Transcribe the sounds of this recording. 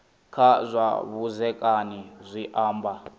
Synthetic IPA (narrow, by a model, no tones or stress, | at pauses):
kʰazʷa̰βuzɛkʼanizʷiʔaːmba